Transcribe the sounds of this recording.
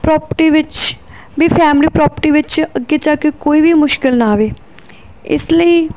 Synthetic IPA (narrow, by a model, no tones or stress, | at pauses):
pɾɔːpəʈiːʋɪt͡ʃ | biːpʰɛːmliːpɾɔːpəʈiːʋɪt͡ʃəɡːeːt͡ʃaːkekoːiːʋiːmʊʃkɪlnaaːʋeː | ɪ̰sləiː